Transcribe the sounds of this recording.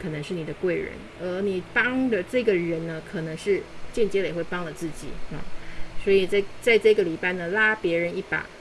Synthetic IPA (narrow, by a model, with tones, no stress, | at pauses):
kʰɤ˨˩nɤ˧˦ŋʂɻ̩˥˩ni˨˩d̪ə˦kwe˥˩ɪɻə̰˧˥n | ə˧˥ni˨˩pɑ˥ŋd̪ə˨ʈ͡ʂɤ˥˩ɡə˩ɻə˧˥nnə˧kʰɤ˨˩nɤ˧˥ŋʂɻ̩˥˧t͡ɕjɛ˥˧nt͡ɕjɛ˥lə˨jɛ˨˩xwe˥˩ɪpɑ˥ŋlə˨t͡sɹ̩˥˩t͡ɕḭ˨˩˦ɐ˧˩swɔ˧˥i˨˩t͡st͡sa˥˧ɪʈ͡ʂɤ˥˧ɡə˩li˨˩pa˥˩ɪnə˩la˥pjɛ˧˥ɻə˧˥ni˥˩pa̰˨˩˦